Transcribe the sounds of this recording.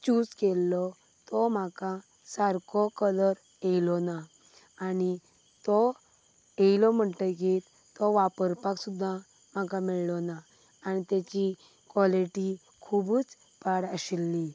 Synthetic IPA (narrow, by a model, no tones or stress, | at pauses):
t͡ɕuːd͡zkɛlːɔ | t̪ɔm̤akã | saɾkʰɔkələɾ | jejlɔnaː | ni | t̪ɔ | ejlɔm̤əɳʈək̬it̪ | t̪ɔʋapəɾpaksud̪ʱːa | m̤akãmiɭlɔnaː | nit̪ɛt͡ɕi | kʋɔliʈi | kʰubuːt͡s | paɽəɕilːi